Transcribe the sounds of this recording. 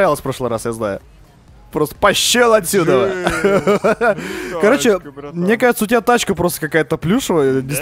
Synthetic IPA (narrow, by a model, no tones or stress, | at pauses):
ɾʲalˠəsʲfpɾo̞ʂlˠɨɪɾasjaznajʊ̰ | pɾo̞st̪ə̥pɐɕːelˠɐt̪ʲsʲud̪ə | kɐɾo̞t͡ɕt͡ɕɪmnʲekaʐɨt̪səʊtʲbʲat̪at͡ɕkəpɾo̞st̪ə̥kɐkajət̪əplʲuʂɨvədʲɪs